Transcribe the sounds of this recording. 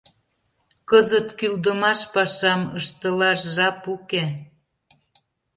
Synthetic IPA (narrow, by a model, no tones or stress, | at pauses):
kɤzət̪kyld̪əmɑʃpɑʃɑməʃt̪əlɑʃʒɑpuke